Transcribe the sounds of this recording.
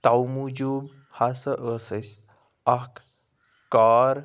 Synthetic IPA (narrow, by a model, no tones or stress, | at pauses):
t̪awmud͡ʒub | hasəʔəsəjs | ak | kaːɾ